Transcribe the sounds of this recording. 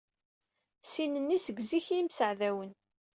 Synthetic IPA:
sinənːisəɡziçjimsəʕðæwən

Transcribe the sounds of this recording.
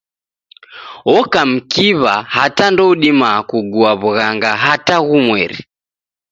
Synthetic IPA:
ɔkam̩kiβahatandɔuɗimakuɡuaβuɣaŋɡaɦataɣumwɛɾḭ

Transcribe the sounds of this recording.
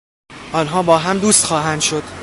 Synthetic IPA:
ʔɒːnɦɒːbɒːɦæmd̪uːst̪xɒːɦænd̪̥ʃo̞d̪̥

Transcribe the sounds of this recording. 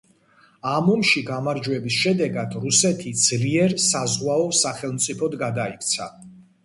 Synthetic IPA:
amɔmʃiɡamaɾd͡ʒwɛbisʃɛd̪ɛɡad̪̥ɾusɛt̪ʰid̪z̥liɛɾsazʁwaɔsaχɛlˠmt̪sʼipʰɔd̪ɡad̪aikʰt̪sʰa

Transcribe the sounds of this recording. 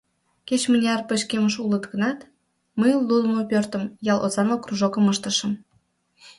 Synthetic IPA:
ket͡ɕmənʲeɑrpəɕkeməʃulət̪ɣənɑt̪ | məjlːud̪əmopørt̪əmjɑlʔo̰zɑnokruʒokəməʃt̪əʃə̆m

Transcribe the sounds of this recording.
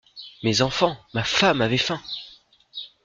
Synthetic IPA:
mezɑ̃fɑ̃mafamavɛfɛ̃

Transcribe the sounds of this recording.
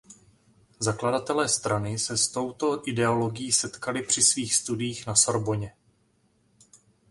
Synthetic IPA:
zakladat̪ɛlɛːst̪ɾanɪsɛst̪o̞wt̪o̞ʔɪdɛo̞lo̞ɡɪjiːsɛt̪kalɪpr̝̥ɪsviːxst̪udɪjiːxnaso̞ɾbo̞ɲɛ

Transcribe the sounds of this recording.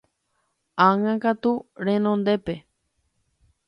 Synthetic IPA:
aŋãkat̪uɾẽnõnd̪epe

